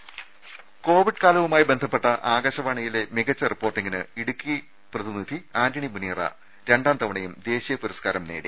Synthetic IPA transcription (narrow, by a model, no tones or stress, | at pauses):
ko̞ːʋiɖkaːlɐʋumaːjibe̞nd̪ʱɐpːe̞ʈːɐʔaːɡɐɕɐʋaɳɐjile̞miɣɐt͡ɕːɐripːoːrʈːiŋɡinɨiɽukːi | prɐðinid̪ʱiaːɾiɳimuniːrɐ̰ | ɾe̞ɳɖaːnt̪ɐʋɐɳɐjumd̪e̞ːɕijɐpuɾɐskaːɾɐmneːɽḭ